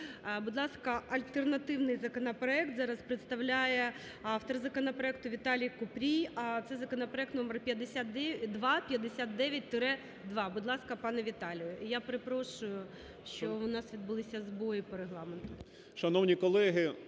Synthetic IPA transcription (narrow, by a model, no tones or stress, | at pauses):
bʊd̪lˠɑskɐʔɐlʲt̪ernɐt̪ɪwnɪjzɐkɔnɐpɾɔɛk̚t̪zɑɾɐspɾɪt̪st̪ɐwlʲajɛ | ɑft̪ɔrzɐkɔnɐpɾɔɛk̚t̪ʊʋʲit̪ɑlʲijkʊpɾʲijɐt̪sɛzɐkɔnɐpɾɔɛk̚t̪nɔmerpʲjɐd̪ɪsʲat̪d̪ʋɑpʲjɐd̪esʲat̪̚d̪ɛʋʲjɐt̚ʲt̪ɪɾɛ | d̪ʋɑbʊd̪lˠɑskɐpɑnɛʋʲit̪ɑlʲijʊijapɾɪpɾɔʃʊjʊ | ʃt͡ʃɔʊnɑsʋʲid̪̚bʊlˠɪsʲɐzbɔjipɔɾeɦlˠɑment̪ʊ | ʃɐnɔwnʲikɔlˠɛɦɪ